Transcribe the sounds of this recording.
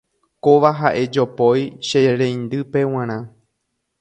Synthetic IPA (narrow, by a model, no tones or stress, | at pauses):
koʋaɦaʔe̞d͡ʒo̞po̞jʃeɾẽj̃nd̪ɨpe̞w̃ãɾ̃ã